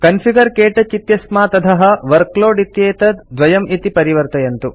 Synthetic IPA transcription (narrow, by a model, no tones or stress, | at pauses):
kɐnfʰiɡɐɾkeːʈɐt͡ʃit̪jɐsmaːt̪ɐt̪ʰɐɦɐ̆ʋɐɾkloːɖit̪jeːt̪ɐd̪ʋɐjɐmit̪ipɐɾiʋɐɾt̪ɐjɐnt̪u